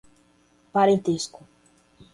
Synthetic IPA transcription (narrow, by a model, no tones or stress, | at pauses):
paɾẽnt̪eskʊ